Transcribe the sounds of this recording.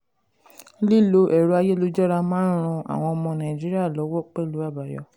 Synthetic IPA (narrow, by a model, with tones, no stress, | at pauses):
li˦˨lo˨˦ʔɛ˨ɾo˨˦a˧je˦lo˦d͡ʒɔ˦ɾa˧mãː˦ɾ̃ũ˧a̰˨w̃ɔ̃˧ɔ˧mɔ̃˧nã˨i˨d͡ʒi˦ɾi˦a˦˨lɔ˨˦wɔ˦˨k͡pɛ˦˨lu˨˦a˦˨ba˨jɔ̰˨˦